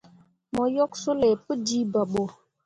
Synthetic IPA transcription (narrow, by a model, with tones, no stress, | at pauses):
mɔ˨jɔ˦ksu˦le˨pə˦d͡ʒi˦ba˨ɓo˨